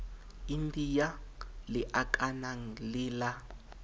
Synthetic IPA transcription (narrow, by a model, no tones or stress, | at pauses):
indijalɪʔakʼanaŋ̩lɪːla